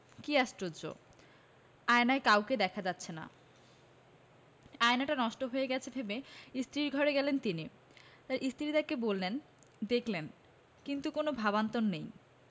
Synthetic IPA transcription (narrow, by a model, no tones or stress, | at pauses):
kiaʃʈɾod͡ʑo̰ | aenaekawked̪ɛkʰad͡ʑat̪ːɕʰena̰ | aenaʈanɔʃʈoɦojeɡɛt͡ɕʰebʱebeist̪ɾiɾɡʱɔɾeɡɛlent̪ini | t̪aɾʔist̪ɾit̪akebolːen | d̪ekʰlen | kint̪ukonobʱabant̪onːej